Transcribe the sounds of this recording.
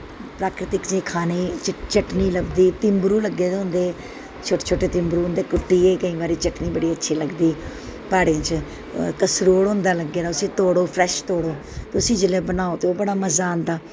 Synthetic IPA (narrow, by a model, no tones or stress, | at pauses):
pɾaːkɾɪt̪ɪkd͡ʒĩːkʰaːniːt͡ʃt͡ʃəʈniːləɡd̪iːt̪ɪmbɾuːləɡːeːd̪ʊ̃nd̪eː | t͡ʃʰoːʈeːt͡ʃʰoːʈeːt̪ɪmbɾuːɦnd̪eːkʊʈːiːeːkəĩːbaːɾiːt͡ʃəʈniːbəɽiːətːʃʰiːləɡd̪iː | paːɽeːt͡ʃ | kəsɾoːɽɦʊ̃nd̪aːləɡːeːd̪aːʊsĩːt̪oːɽoːpʰɾɛːʃt̪oːɽoː | t̪eʊsĩːd͡ʒɪleːbənaːoːt̪eːoːbəɽaːməzaːnd̪aː